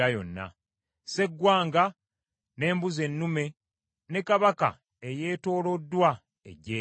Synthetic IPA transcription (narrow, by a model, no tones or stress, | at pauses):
ajo̰nːa̰ | se̞ɡːwaːŋɡa | ne̞ːmbuze̞nːume̞ | ne̞kaβaka̰ | eje̞ːto̞ːlo̞dːwa | ḛɟe